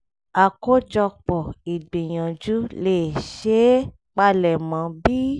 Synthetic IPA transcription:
a˨ko˦d͡ʒɔ˧k͡pɔ˨i˨ɡ͡bĩ˨j̃ã˨d͡ʒu˨˦leː˦˨ʃe˨˦ | k͡pa˧lɛ˨mã˨˦bi˦

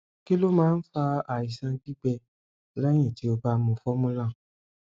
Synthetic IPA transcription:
ki˦lo˦mãː˦n̩˦fa˧a˨i˨sã˧ɡi˦ɡ͡bɛ˧ | lɛ˦j̃ɛ̃˦˨ti˨˦o˧ba˧˦mũ˧˨fɔ˦mũ˦lã˦˨

